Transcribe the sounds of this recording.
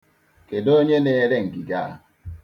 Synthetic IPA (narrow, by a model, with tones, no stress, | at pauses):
ke˨do˦ɲe˦ne˦ɾe˦ŋ̩˨ki˨ɡa˦˨